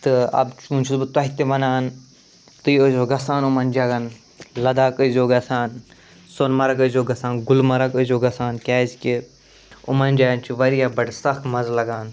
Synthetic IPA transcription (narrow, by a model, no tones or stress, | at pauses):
t̪ɨɐ̰bt͡ʃunt͡ʃʰusbɨt̪ɐɦit̪emɐnaːn | t̪ɨjəzoːɡɐsaːnumɐnd͡ʒɐɡɐn | lɐd̪aːkəzoːɡɐsaːn | sonmɐɾakəzoːɡɐsaːnɡʊlmɐɾakəzoːɡɐsaːnkʲɛːzki | ʊ̰mɐnd͡ʒɐɡɐnt͡ʃʰiʋɐɾijaːbɐɽsɐxmɐzlɐɡaːn